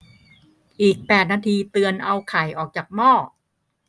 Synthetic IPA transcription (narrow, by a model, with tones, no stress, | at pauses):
ʔiː˨˩k̚pɛː˨˩t̪̚naː˧t̪ʰiː˧t̪ɯ˧ənʔa˧wkʰa˩˦jʔɔː˨˩k̚t͡ɕaː˨˩k̚mɔː˥˩